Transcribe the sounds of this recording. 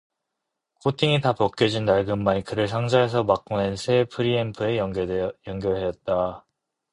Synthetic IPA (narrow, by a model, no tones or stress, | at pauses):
kʰotʰiŋitapʌk̚k͈jʌd͡ʑinːaɭɡɯmːaɲikɯɾɯɭs̬ʰaŋd͡ʑaɦes̬ʰʌmak̚k͈onensʰepʰɯɾiempʰɯe̞jʌŋɡjʌɭɦe̞jʌt̚t͈a